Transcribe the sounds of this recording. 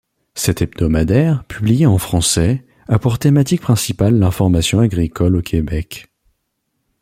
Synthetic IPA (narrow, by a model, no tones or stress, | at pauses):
sɛt̪ɛb̚d̪ɔmad̪ɛʁpʰyblijeɑ̃fχɑ̃sɛ | apɔʁt̪emat̪ik̚pχɛ̃sipalːɛ̃fɔʁmasjɔ̃aɡʁikʰɔlokʰʲebɛk